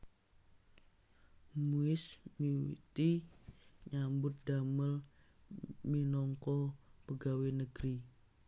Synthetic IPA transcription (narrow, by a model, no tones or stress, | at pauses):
muɪsmiwḭt̪i | ɲambʊt̪̚daməl | minɔŋkɔpəɡawenəɡ̥ɾi